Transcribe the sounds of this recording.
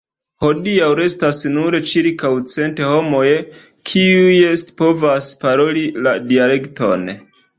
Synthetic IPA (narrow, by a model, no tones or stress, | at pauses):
ho̞diawɾe̞stasnuɾet͡ʃiɾkawt͡se̞nte̞ho̞mo̞jekʰiuje̞stpo̞vaspaɾo̞liladiale̞kto̞̰n